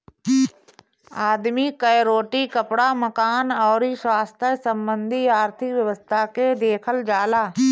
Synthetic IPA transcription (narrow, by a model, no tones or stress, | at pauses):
aːd̪mikəjɾoːʈikəpɽaməkaːnɔːɾiswaːst̪ʰəsə̃mbə̃nd̪ʱiaːɾt̪ʰɪkʋjəʋəst̪ʰaked̪eːkʰəld͡ʒaːlaː